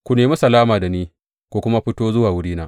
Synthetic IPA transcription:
kʷu˨neː˨mi˦sɐ˨laː˦maː˨da˨niː˦ | kʷu˨kʷʊ˦ma˦ɸɪ˦toː˦zʊ˦waː˨wʊ˦ɽiː˦naː˦ʔ

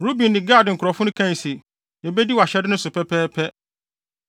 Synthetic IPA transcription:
ɾu˦bĩ˨nːɪ̃˨ɡa˦˨dɪ˨ŋ̩˨kʰʊ˨ɾɔ˨fʊ̃˦nʊ̃˦kʰã˦n˨si˨ | jɛ˨bɛ˦di˦wa˨ɕɛ˦dɪ˦nʊ̃˦sʊ˨pʰɛ˦pʰɛː˦pʰɛ˦

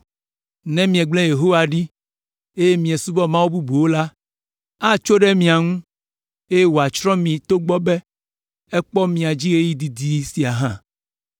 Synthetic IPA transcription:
nɛ̃˦mĩ˨ɛ̃˨ɡ͡blɛ̃˦je˨ɦo˦wa˨ɖi˦ | e˦je˦mĩ˨ɛ̃˨su˦bɔ˦mã˦wo˦bu˦bu˨wo˦la˦ | a˦t͡ʃo˦ɖɛ˦mĩ˨a˨ŋũ˦ | e˦je˦wo˨a˨t͡ʃɾɔ̃˦mĩ˨t̪o˦ɡ͡bɔ˦bɛ˦ | ɛ˦k͡pɔ˦mĩ˨a˨d͡ʑi˦ɣe˦ji˦d̪i˨d̪i˨˦si˨a˨ɦã˦

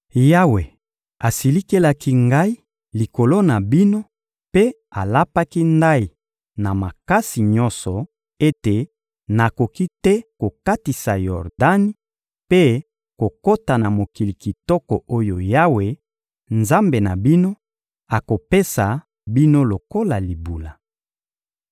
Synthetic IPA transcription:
ja˦we˨ | a˨si˨li˦ke˦la˦ki˦ŋɡa˦i˦ | li˨ko˨lo˦na˨bi˦no˦ | pe˦ | a˨la˦pa˦ki˦nda˦i˨ | na˨ma˨ka˦si˨ɲɔ̃˦nsɔ˨ | e˦te˨ | na˨ko˨ki˦tɛ˦ko˨ka˦ti˨sa˨jɔ˨ʁda˦ni˦ | pe˦ | ko˨ko˦ta˨na˨mo˨ki˨li˨ki˨tɔ˦kɔ˨ʔo˦jo˨ja˦we˨ | nza˦mbe˨na˨bi˦no˦ | a˨ko˨pe˦sa˨ | bi˦no˦lo˨ko˦la˨li˨bu˨la˨

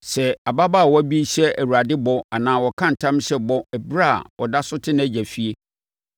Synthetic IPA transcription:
sɛ˨a˨ba˦ba˦˨wɔ˦æ˦bi˦ɕɛ˦ʔæ˨wu˨ɾa˨dɪ˦bɔ˦a˨nãː˨wɔ˨kʰã˦n̩˨tʰã˦m˦ɕɛ˦bɔ˦ɛ˨bɾa̰˦˨wɔ˨da˦sʊ˦tʰɪ˦ñ˦æ˨d͡ʑæ˨fi˦e˦

